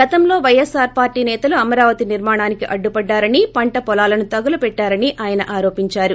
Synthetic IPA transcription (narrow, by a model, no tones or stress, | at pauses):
ɡɐt̪ɐmlo̞ːʋɐjːɛsaːɾpaːɾʈiːnɛːt̪ɐluɐmɐɾaːʋɐt̪iniɾmaːɳaːnikiʔɐɖːupɐɖːaːɾɐnipɐɳʈɐpɔlaːlɐnut̪ɐɡɐlɐpɛʈːaːɾɐniʔaːjɐnɐʔaːɾo̞ːpiɲt͡ʃaːɾu